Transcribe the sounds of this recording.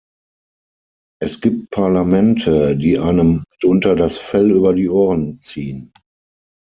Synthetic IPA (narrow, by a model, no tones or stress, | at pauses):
ʔɛsɡ̥iːp̚t̚pʰaɐlamɛntʰədiːʔaɪnəmːɪtʔʊntɐdasfɛlyːbɐdiːʔoːʁənt͡siːən